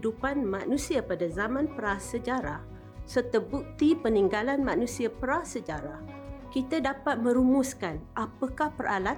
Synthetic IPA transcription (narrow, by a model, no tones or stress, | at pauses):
dupanmãʔnũsiapadazamãnpəɾasəd͡ʒaɾa | sərt̪abuk̚t̪ipəniŋɡalanmãʔnũsiapəɾasəd͡ʒaɾa | kit̪adapat̪̚mə̃ɾumuskanʔapakahpərala